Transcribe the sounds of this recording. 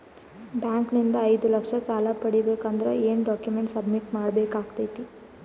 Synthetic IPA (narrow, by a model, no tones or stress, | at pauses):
bjaːŋknind̪ɐɐjd̪ulɐkʂɐsaːlɐpɐɽibeːkand̪ɐɾɐ̰eːnɖaːkjumeɳʈsɐbmiʈmaːɽɐbeːkaːɡt̪ɐjt̪i